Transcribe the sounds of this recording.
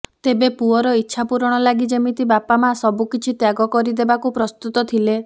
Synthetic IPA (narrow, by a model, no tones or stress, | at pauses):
t̪ebepuɔɾɔitːʃʰapuɾɔɽ̃ɔlaɡid͡ʒemit̪ibapamasɔbukit͡ʃʰit̪jaɡɔkɔɾid̪ebakupɾɔst̪ut̪ɔt̪ʰile